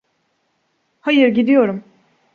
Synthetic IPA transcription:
hajɯɾɟid̪ijo̞ɾum

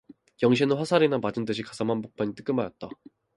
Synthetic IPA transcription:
jʌŋɕ̬ʰinɯnɸwasʰaɾinamad͡ʑɯnt͈ɯɕ̬ʰikasʰamanbok̚p͈ʰaɲit͈ɯ̥k͈ɯmajʌt̚t͈a

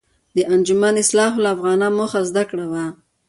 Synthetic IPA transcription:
d̪əʔand͡ʒʊmanɪslɑɦʊlaafɣɑnamoxazd̪akɽawa

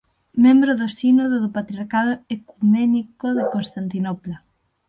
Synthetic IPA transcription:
mẽmbɾoðosinoðoðopat̪ɾiaɾkaðoekumenikoðekonst̪ant̪inɔpla

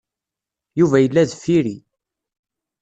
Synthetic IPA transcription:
juvæjəlːæðfːiɾi

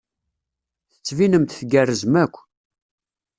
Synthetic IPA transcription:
θə̥t͡sːvinəmt̪θɡærːəzmækʷː

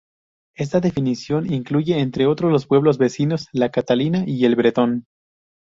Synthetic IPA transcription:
e̞s̬t̪aðe̞finisjo̞niŋkluʝe̞ːnt̪ɾeo̞t̪ɾozlo̞spwe̞β̞lo̞zβe̞sino̞slakat̪alinaʔie̞lβɾe̞t̪o̞n

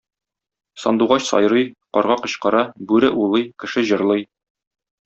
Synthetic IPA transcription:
sɒnd̪uʁɑɕsɒ̰jɾɤjqɒɾʁɑqɤ̆ɕqɤ̆ɾɑbʉɾɘʔulˠɤjkɘ̆ʃɘʑɤ̆ɾlˠɤj

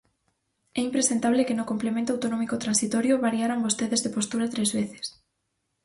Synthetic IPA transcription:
ɛimpɾesent̪aβlekenʊkomplemẽnt̪oawt̪onɔ̃mikot̪ɾansit̪ɔɾjoβaɾjaɾambost̪eðezðepost̪uɾat̪ɾezβeθe̥s

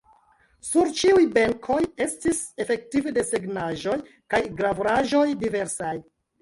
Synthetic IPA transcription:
suɾt͡ʃiujbe̞ŋkʰo̞je̞stise̞fe̞k̚tivede̞seɡnaʒo̞j | kajɡɾavuɾaʒo̞jdive̞ɾsaj

